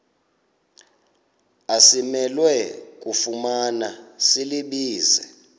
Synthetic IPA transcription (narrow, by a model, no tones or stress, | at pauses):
asimɛlwɛk̬ʼufumanasiliɓiːzɛ